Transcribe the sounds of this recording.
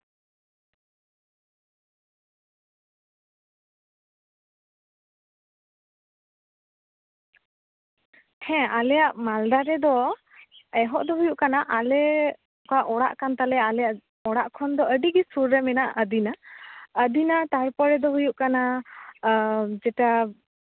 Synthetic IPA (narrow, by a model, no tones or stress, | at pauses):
hɛ̃alɛjaʔmald̪aɾɛd̪ɔ | ɛɦɔʔd̪ɔɦujuʔkanaʔalɛ | ɔkaʔɔɽa̰ʔkant̪alɛalɛjaʔ | ɔɽaʔkʰɔnd̪ɔəɖiɡɛsuɾːɛmɛnaʔəd̪inaəd̪inat̪aɾpɔɾɛd̪ɔɦujuʔkana | d͡ʒɛʈa